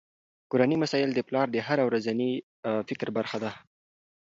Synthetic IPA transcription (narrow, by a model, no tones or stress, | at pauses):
koɾanimasɑjɪld̪əplɑɾd̪əɦaɾawɾazani | fɪkɾbaɾxad̪a